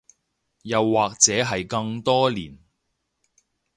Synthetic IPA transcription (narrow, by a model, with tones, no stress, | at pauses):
jɐ˨wːaː˨k̚t͡sɛː˨˥ɦɐ˨jkɐ˧ŋt̪ɔː˥lḭː˨˩n